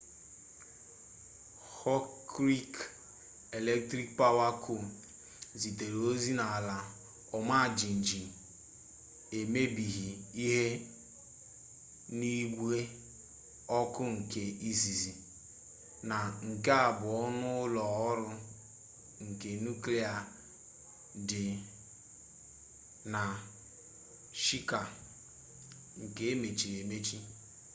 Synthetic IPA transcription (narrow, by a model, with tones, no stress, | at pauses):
hɔ˦kɾi˦k | e˨le˦k̚tɾi˦k̚pa˦wa˦kʰʊ˨ | zi˨te˨ɾo˦zi˦na˨a˨la˨ | ɔ˨ma˦˨d͡ʒi˨n̩˨d͡ʒi˨ | e˨me˦bi˨ɦi˨i˦ɦe˦ | ni˦ɡʷe˦ | ɔ˦kʊ˦ŋ̩˨ke˨i˦zi˨zi˨ | na˨ŋ̩˨ke˦a˨bʊ˨ɔ˦nʊ˦lɔ˨ɔ˦ɾʊ˦ | ŋ̩˨ke˨nu˦kle˦a˨ | dɪ˨ | na˨ | ʃi˦ka˨ | ŋ̩˨ke˦e˦me˨t͡ʃi˨ɾe˨me˦t͡ʃi˦